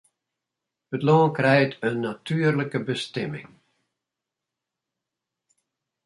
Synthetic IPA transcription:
ətloːnkrɛjtənːatʰyːərləkəbəstɛmɪ̰ŋ

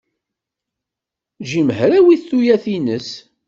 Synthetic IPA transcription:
ʒiməɦɾæwiθθujæθinəs

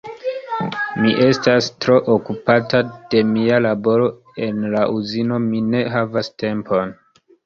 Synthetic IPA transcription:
miʔe̞stastɾo̞ʔokupatad̥e̞mialabo̞ɾo̞ | e̞nlaʔuzino̞mine̞ɦavaste̞mpo̞n

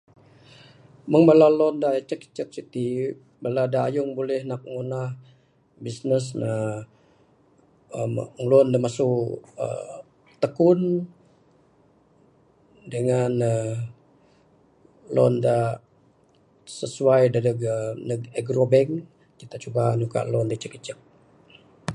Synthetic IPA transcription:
məŋbalalɔndat͡ʃəki̥t͡ʃək̚sit̪i | baladaːjuŋbolɛhnak̚ŋunah | bisnəsna | mlɔndamasukə̰ | t̪əkun | dəŋanə | lɔ̰nda | səsuajdadəɡnəɡɛɡɾobɛŋ | kit̪at͡ʃubanuka̰ʔlɔndət͡ʃəkːət͡ʃək̚

